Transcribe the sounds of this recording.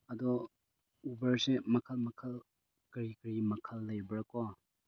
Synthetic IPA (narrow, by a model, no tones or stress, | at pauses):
ɐdɔ | ubɐɹsemɐkʰɐlmɐkʰɐl | kɐɾikɾimɐkʰɐlːɐjbɐɾɐkɔ